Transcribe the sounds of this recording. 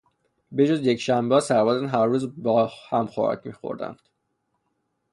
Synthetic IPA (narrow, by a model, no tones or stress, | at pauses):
bed͡ʒozjecʃæmbeɒːsæɾvɒːd̪ænɦæɾːuːzbɒːhæmxo̰æ̰cmiːxo̞̰ɾd̪æ̰nd̪̥